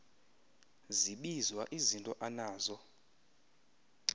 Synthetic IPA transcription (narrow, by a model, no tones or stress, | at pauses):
ziɓizwaʔizintʼɔʔanaːzɔ